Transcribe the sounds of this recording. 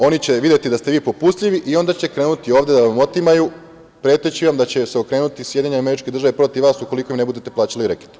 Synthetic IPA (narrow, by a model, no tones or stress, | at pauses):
o̞nit͡ɕe̞ʋid̪jet̪id̪ast̪e̞ʋiːpo̞pust̪ʎiʋiʔio̞nd̪at͡ɕe̞kɾe̞ːnut̪io̞ːʋd̪je̞d̪aʋamo̞t̪imaju | pɾe̞ːt̪et͡ɕiʋamd̪at͡ɕe̞seokɾe̞ːnut̪isje̞d̪jiɲeame̞ɾit͡ʃked̪r̩ʒaʋepɾo̞t̪iʋaːsuko̞lˠiko̞jimne̞bud̪et̪e̞plaːt͡ɕaliɾeki̥t̪